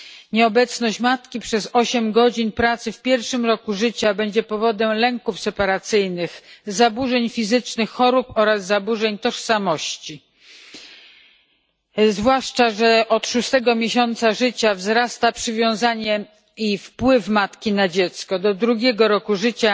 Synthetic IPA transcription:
ɲɛɔbɛt̪snɔɕt͡ɕmat̪kʲipʂɛzɔɕɛmɡɔd͡ʑinpɾat̪sɘfpʲjɛɾfʂɘmɾɔkuʐɘt͡ɕabɛɲd͡ʑɛpɔvɔd̪ɛmlɛŋkufsɛpaɾat̪sɘjnɘxzabuʐɛɲfʲizɘt͡ʂnɘxːɔɾupɔɾazːabuʐɛɲt̪ɔʂsamɔɕt͡ɕi | zvwaʂt͡ʂaʐɛʔɔt̪ʂust̪ɛɡɔmʲjeɕɔnt̪saʐɘt͡ɕavzɾast̪apʂɘvʲjɔ̃w̃zaɲɛ | ifpwɘfmat̪kʲinad͡ʑɛt̪skɔd̪ɔd̪ɾuɡʲɛɡɔɾɔkuʐɘt͡ɕa

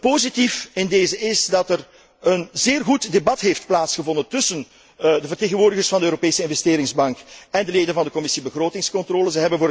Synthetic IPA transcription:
poːzitifɪndeːzəɪzdɑtər | ənzeːrɣutdebɑtɦeft̚plaːtsxəvɔndəntɵsən | dəvərteːɣənʋʊːrdəɣərsfɑndəøːɾopeːsəɪnvɛsteːɾɪŋzbɑŋkɛndəleːdənvɑndəkɔmɪsibəɣroːtɪŋskɔntrɔːləzəɦɛbənvoːɾ

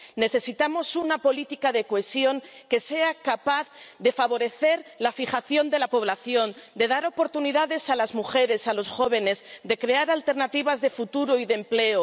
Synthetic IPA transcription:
ne̞θe̞sit̪amo̞sunapo̞lit̪ikaðekoesjo̞ŋke̞se̞akapaθðe̞faβ̞o̞ɾe̞θe̞ɾlafiχaθjo̞nd̪elapo̞β̞laθjo̞nd̪e̞ðaɾo̞po̞ɾt̪uniðaðe̞salazmuxe̞ɾe̞salo̞sxo̞β̞e̞ne̞zd̪e̞kɾe̞aɾalt̪e̞ɾnat̪iβ̞azðe̞fut̪uɾoiðe̞mple̞o

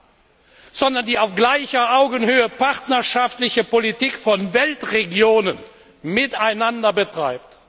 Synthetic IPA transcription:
z̥ɔndɐndiːaʊfɡ̥laɪçɐʔaʊɡənhøːəpaʁtnɐʃaftlɪçəpolitiːkfɔnvɛltʁeɡjoːnən | mɪtaɪnandɐbətʁ̥aɪp̚t

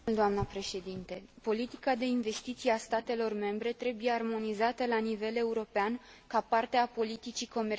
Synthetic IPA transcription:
ld̪oamnəpɾe̞ʃe̞d̪int̪e̞po̞lit̪i̥kad̪e̞inve̞st̪it̪sijast̪at̪e̞lo̞rme̞mbɾe̞t̪ɾe̞buje̞armo̞nizat̪əlanive̞le̞uɾo̞peankapart̪eapo̞lit̪it͡ʃiko̞me

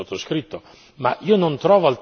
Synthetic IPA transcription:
ot̪ːoskɾit̪ːo | ma̰ʔiːonont̪ɾɔːvoalt̪

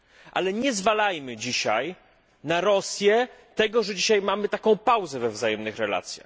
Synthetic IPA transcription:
ʔa̰lɛɲɛzvalajmɘd͡ʑiɕaj | naɾɔsʲjɛt̪ɛɡɔʐɛd͡ʑiɕajmamɘt̪akɔ̃w̃pawzɛvɛvzajɛmnɘxɾɛla̰t̪sʲja̰x

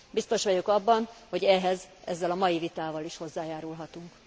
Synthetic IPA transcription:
bist̪o̞ʃʋɒɟokɒbːɒnho̞ɟɛɦɛzɛzːɛlɒmɒjivit̪aːvɒliʃho̞zːaːjaːɾulɦɒt̪uŋk

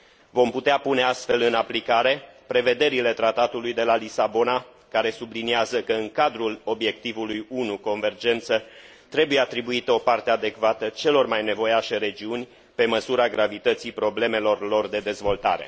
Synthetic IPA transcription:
vo̞mput̪eapune̞ast̪fe̞lɨnaplikaɾe̞pɾe̞ve̞d̪e̞ɾile̞t̪ɾat̪at̪ulujd̪e̞lalisabo̞na | kaɾe̞subliniazəkəɨŋkad̪ɾulo̞bje̞k̚t̪ivulujunuko̞nve̞rd͡ʒe̞nt̪sə | t̪ɾe̞bujeat̪ɾibuit̪əo̞part̪e̞ad̪e̞kvat̪ət͡ʃe̞lo̞rmajne̞vo̞jaʃeɾe̞d͡ʒiunʲ | pe̞məsuɾaɡɾavit̪ət̪sipɾo̞ble̞me̞lo̞rlo̞rd̪e̞d̪e̞zvo̞lt̪a̰ɾe̞̰

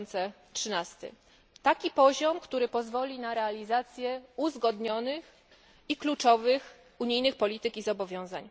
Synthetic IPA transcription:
nt̪sɛ | tʂɘnast̪ɘ̰ | t̪akʲipɔʑɔmkt̪uɾɘpɔzvɔlʲinaɾɛalʲizat̪sʲjɛuzɡɔd̪ɲɔnɘx | iklut͡ʂɔvɘx | uɲijnɘxpɔlʲit̪ɘkʲizɔbɔvʲjɔ̃w̃za̰ɲ

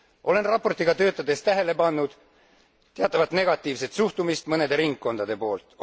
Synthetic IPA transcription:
ʔo̞le̞nrɑpːo̞rt̪iɡ̥ɑt̪ø̞ːt̪ːˑɑd̪e̞st̪æɦe̞le̞pɑnːud̪̥ | t̪eɑt̪ːˑɑvɑt̪ne̞ɡ̥ɑt̪ˑːiːvse̞t̪suht̪umist̪mɤne̞d̪e̞ɾiŋkkːo̞nd̪̥ɑd̪e̞po̞ːlt̪ˑ

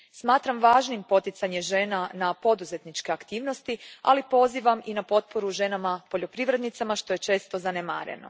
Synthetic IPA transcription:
smaːt̪ɾamʋaːʒnimpo̞t̪it̪saɲe̞ʒe̞ːnanapo̞d̪uze̞t̪nit͡ʃke̞akt̪iːʋno̞st̪ia̰lipo̞ziʋaminapo̞t̪̚po̞ɾuʒe̞namapo̞ʎo̞pɾiʋɾe̞d̪nit̪samaʃt̪o̞je̞t͡ʃe̞ːst̪o̞zanema̰ːɾḛno̞̰

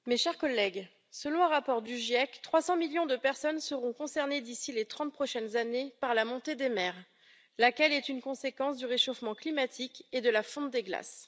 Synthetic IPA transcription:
meʃɛʁkɔlːɛɡ | səlɔ̃əʁapɔʁd̪yʒjɛkt̪χwasɑ̃miljɔ̃d̪əpɛʁsɔnsəʁɔ̃kɔ̃sɛʁned̪isilet̪χɑ̃t̪̚pχɔʃɛnzanepaʁlamɔ̃t̪ed̪emɛʁ | lakʲɛlɛt̪ynkɔ̃sekɑ̃sd̪yʁeʃofmɑ̃klimat̪ʰiked̪əlafɔ̃t̪d̪eɡla̰s

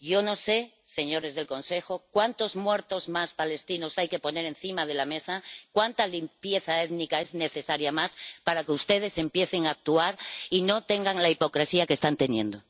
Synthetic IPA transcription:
ʝo̞no̞se̞ | se̞ɲo̞ɾe̞zðe̞lko̞nse̞xo̞kwant̪o̞zmwe̞ɾt̪o̞zmaspale̞st̪ino̞sajke̞po̞ne̞ɾe̞nθimað̞e̞lamesakwant̪alimpje̞θae̞ðnikae̞zne̞θe̞saɾjamaspaɾakeust̪e̞ð̞e̞se̞mpje̞θeŋaːk̚t̪uaɾino̞t̪e̞ŋɡaŋlaipo̞kɾe̞siakest̪ant̪e̞njẽnd̪o

